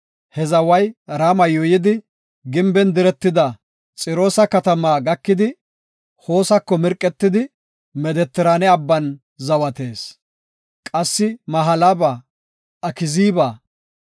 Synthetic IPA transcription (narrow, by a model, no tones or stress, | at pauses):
hɛzɐwɐjɾamɐjɔjɪd̪ɪ | ɡɪmbɛnd̪ɪɾɛt̪ːɪd̪ɐ | t͡sʼɪɾo̞ːsɐkɐt̪ɐmaːɡɐkːɪd̪ɪ | ho̞ːsɐkːɔmɪɾkʼːɛt̪ːɪd̪ɪ | mɛd̪ɛt̪ːɪɾanɛɐbːɐn | zɐwɐt̪e̞ːs | kʼɐsːɪmɐɦɐlɐbɐ | ʔɐkɪziːbaː